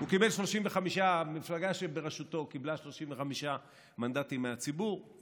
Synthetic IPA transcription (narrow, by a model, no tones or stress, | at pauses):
ukibe̞lʃlo̞ʃimveχamiʃamiflaɡaʃebeʁeʃuto̞kiblaʃlo̞ʃimveχamiʃa | mand̪atimːeat͡sibuʁ